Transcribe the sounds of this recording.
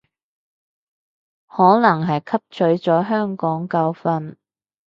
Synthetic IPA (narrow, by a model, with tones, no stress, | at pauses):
hɔː˨˥nɐ˨˩ŋɦɐ˨jkʰɐ˥p̚t͡ʃʰɵ˨˥ɥt͡sɔː˨˥ɦœː˥ŋkɔː˨˥ŋkɐ˧wfɐ˧n